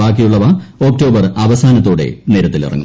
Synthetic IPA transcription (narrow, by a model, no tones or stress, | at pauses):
aːk̬ːijuɭːɐʋɐo̞ːk̚to̞ːbɐrɐʋɐsaːnɐt̪ːoːɽe̞̰neːɾɐt̪ːilḭrɐ̰ŋːu